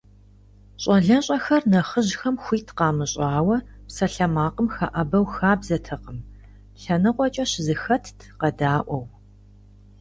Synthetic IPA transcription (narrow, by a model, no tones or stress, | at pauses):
ɕʼɐɮɐɕʼɐxɐrnɐχəʑxɐmxʷiːtʰqɑːmɨɕʼɑːwɐpsɐɬɐmaːqəmxaʔɐbɐwxaːbzɐtʰɨqəm | ɬɐnɨqʷɔt͡ʃʼɐɕzɨxɐtʰtʰqɐdaːʔʷɔw